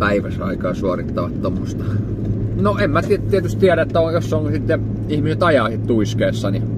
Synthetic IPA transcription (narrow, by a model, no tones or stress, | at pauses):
pæiʋæsɑ̰ikɑːsuɑrit̪ːɑʋɑt̪t̪omːost̪ɑ | noemmæt̪it̪iet̪yst̪t̪iæɾæet̪ːæojosːonsit̪ːe | ihmiset̪ɑjɑhit̪t̪uiskeːsːɑni